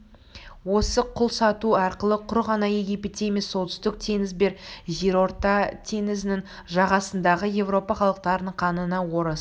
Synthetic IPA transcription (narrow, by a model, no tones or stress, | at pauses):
wo̞səqʰʊlˠsɑt̪uɑɾqəlˠəqʰʊɾʁɑnɑjeɡʲipit̪eemesːo̞t̪ʏ̥st̪ɪk̚t̪ʰe̞ŋɪzbe̞ɾʒeɾo̞ɾt̪ɑt̪ʰe̞ŋɪzɪnɪŋ | ʒɑʁɑsənd̪ɑʁəje̞vɾo̞pɑχɑlˠəq̚t̪ɑɾənəɴqʰɑnənɑwo̞ɾəs